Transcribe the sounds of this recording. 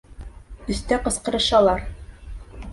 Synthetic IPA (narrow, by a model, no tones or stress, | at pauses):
ɵ̆st̪æqɤ̆sqɤ̆ɾɤ̆ʃɑlˠɑɾ